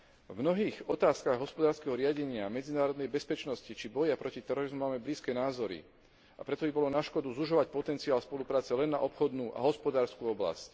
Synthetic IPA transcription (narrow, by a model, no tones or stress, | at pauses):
vmnɔɦiːɣɔt̪aːskaɣɦɔspɔd̪aːɾskɛɦɔɾɪaɟɛɲɪamɛd͡zinaːɾɔd̪nɛjbɛspɛt͡ʃnɔscit͡ʃibɔjapɾɔcit̪ɛɾɔɾizmumaːmɛbliːskɛːnaːzɔɾḭ | a̰pɾɛt̪ɔbibɔlɔnaʃkɔd̪uzuʒɔʋac̚pɔt̪ɛnt͡siaːlspɔlupɾaːt͡sɛlɛnːa̰ʔɔpxɔd̪nuːʔa̰ɦɔspɔd̪aːɾskuɔbla̰sc